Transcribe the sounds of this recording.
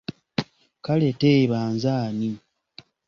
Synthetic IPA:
kaleteβaːnzaːni

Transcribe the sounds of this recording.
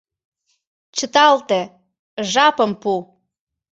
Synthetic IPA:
t͡ɕət̪ɑlt̪ĕ | ʒɑpəmpu

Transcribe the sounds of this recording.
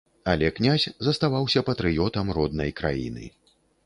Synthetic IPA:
a̰lʲɛknʲasʲzɐst̪avawsʲɐpɐt̪ɾɨjɔt̪ɐmrɔd̪̚nɐjkɾa̰jḭnɨ̰

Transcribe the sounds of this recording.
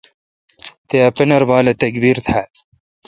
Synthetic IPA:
t̪eɐpɐnɐɾbaːlɐt̪ɐkbiːɾt̪ʰaː

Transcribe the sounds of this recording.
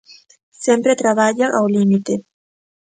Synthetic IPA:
sẽmpɾet̪ɾaβaʎaʔawlimit̪e

